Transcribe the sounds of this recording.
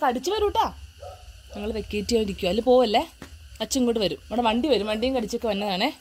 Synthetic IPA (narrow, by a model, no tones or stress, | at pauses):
kɐɽit͡ɕːɨʋɐɾuːʈːaː | niŋːɐɭʋekːejiʈːijaːniɾikʲːuɐlːɨpoːɐlːeɐt͡ɕːiŋːkːoːʈːɨʋɐɾumoɽeʋɐɳɖiʋɐɾumʋɐɳɖijuŋkɐɽit͡ɕːo̞kːeʋɐnːɐðaːɳe